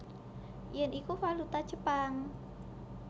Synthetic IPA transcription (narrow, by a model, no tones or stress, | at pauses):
jɛnikufalut̪ḁd͡ʒəpaŋ